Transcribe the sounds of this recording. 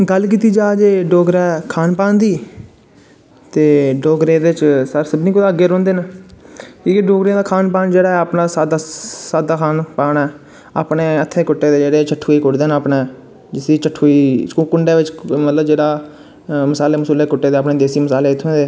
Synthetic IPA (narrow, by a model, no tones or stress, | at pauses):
ɡəlk̬iːt̪iːd͡ʒaːd͡ʒeːɖoːɡɾɛːkʰaːnpãːnd̪iː | t̪eːɖoːɡɾẽːd̪eːɪt͡ʃsəɾsəbniːkʊd̪ãːəɡːeːɾõːnd̪eːna | kĩːkeɖoːɡɾeãːd̪aːkʰaːnpaːnd͡ʒeːɽaːɛaːpnaːsaːd̪asaːd̪aːkʰaːnpaːnɛː | a̰ːpɳeːət̪ʰːẽːkʊʈːeːd̪eːd͡ʒeːɽeːt͡ʃʰəʈʰoːiːkʊʈd̪eːnaːpɳeː | d͡ʒɪsiːt͡ʃʰəʈʰoːiːkːkʊɳɖeːʋɪt͡ʃmət̪ləbd͡ʒeːɽaː | məsaːleːməsuːleːkʊʈːeːd̪eːaːp̬neːd̪eːsiːməsaːleːt̪ʰːẽːd̪eː